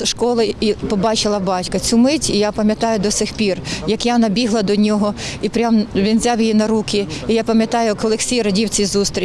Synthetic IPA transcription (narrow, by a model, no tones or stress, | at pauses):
ʃkɔlˠɪipɔbɑt͡ʃɪlˠɐbɑtʲkɐt͡sʲumɪtʲijapɐmʲjɐt̪ɑjʊd̪ɔsʲixpʲirjɐkjanɐbʲiɦlˠɐd̪ɔnʲɔɦɔipɾʲamʋʲinzʲawjijinɐɾukʲɪijapɐmʲjɐt̪ɑjʊkɔlˠexsʲijɾɐdʲiwt͡sʲizust̪ɾʲi